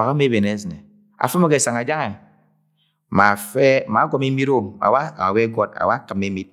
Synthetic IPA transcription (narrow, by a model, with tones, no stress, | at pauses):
a˨ka˦me˦be˨ne˨˦sne˨ | a̰˨fɨ˦ma˦ke˨sa˨ŋa˨d͡ʒa˦ŋe˨ | ma˨fe˦ma˨˦ɡɔ˨˦me˦mi˦ɾo˦a̰˨wa˦a˨we˦ɡɔ˦t̚a̰˨wa˦kɨ˨me˦mi˦t̚